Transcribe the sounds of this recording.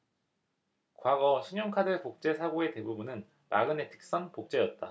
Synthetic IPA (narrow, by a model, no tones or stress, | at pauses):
kwaɡʌɕʰiɲjoŋkʰadɯɭpok̚t͡ɕ͈e̞sʰaɡoe̞te̞bubunɯn | ma̰ɡɯne̞tʰɯ̥k̚s͈ʌnpok̚t͡ɕ͈e̞jʌt̚t͈a̰